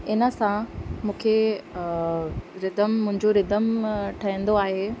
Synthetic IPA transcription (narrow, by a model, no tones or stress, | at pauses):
ɪnə̆sãmũːkʰe | ɾɪd̪əmːʊ̃ɦɪ̃ɲd͡ʑoɾɪd̪əmʈʰɐɦə̃n̆d̪oaːɦeː